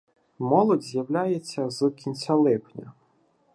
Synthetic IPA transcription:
mɔlˠɔdʲzʲjɐwlʲajet͡sʲːɐzɨkʲʰinʲt͡sʲalˠɪpnʲɐ

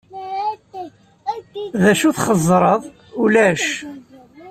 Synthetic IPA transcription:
ðæʃuθχəzˤɾˤəðˤ | ulæʃ

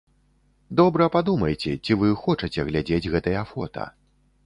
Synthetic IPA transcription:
d̪ɔbɾɐpad̪umɐjt͡sʲɛt͡sʲivɨxɔt͡ʂɐt͡sʲɛɣlʲad͡zʲed͡zʲɣɛt̪ɐjɐfɔt̪ʰɐ̰

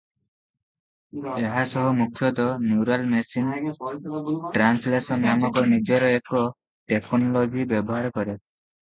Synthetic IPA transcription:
eɦasɔɦɔmukʰjɔd̪ɔnjuɾalmesin | ʈɾanslesɔnjamɔkɔnid͡ʒɔɾɔekɔ | ʈekʰɔnlɔbʱibjɔbɔɦaɾkɔɾet̪̚

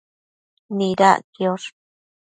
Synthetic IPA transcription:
niɾa̰kjoʂ

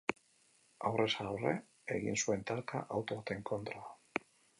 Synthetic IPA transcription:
awresawrḛ | eɣinsuent̪aɾka̰ʔawt̪ot̪eŋkont̪ɾa

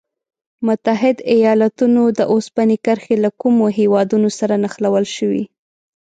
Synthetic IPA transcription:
mʊt̪aɦɪd̪ajɑlat̪unod̪əʔospanikəɾxelakumoɦewɑd̪unosaɾanaxlawəlʃəwḭ

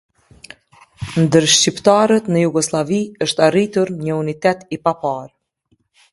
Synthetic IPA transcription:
nd̪əɾʃt͡ɕipt̪aɾət̪nəjuɡɔslˠaviəʃt̪arit̪uɾɲəunit̪ɛt̪ipapaɾ

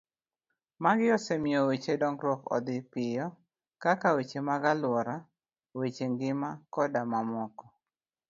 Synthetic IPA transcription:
maɡɪɔsɛmiowet͡ʃedɔŋɾɔkɔ̰d̪ɪpɪjɔ | kakawet͡ʃemaɡalwɔɾa | wet͡ʃeŋɡɪmakɔdamamɔkɔ

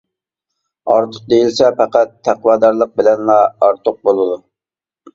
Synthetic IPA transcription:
ɑɾt̪ʰʊq̚d̪ejilsɛpæqæt̪ʰːæqwɑd̪ɑɾlˠəq̚bɪlɛnlˠɑɑɾt̪ʰʊq̚bolˠɨd̪u

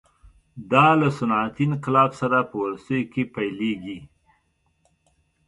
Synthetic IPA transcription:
d̪ɑlasʊnɑt̪inqɪlɑbsaɾapəwalst̪əjokepajleɡi

